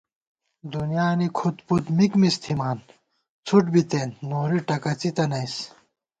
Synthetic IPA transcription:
d̪unjaːnikʰut̪put̪mikmist̪ʰimaːn | t͡sʰuʈbit̪eːnːoːɾiʈɐkɐt͡sit̪ɐnɐjs

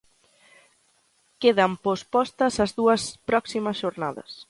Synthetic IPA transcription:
keðɐmpospɔst̪ɐsɐzðuɐspɾɔksimɐsʒ̥oɾnaðɐ̰s

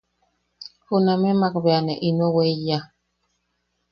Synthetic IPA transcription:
hunamemak̚beaneʔinoweja

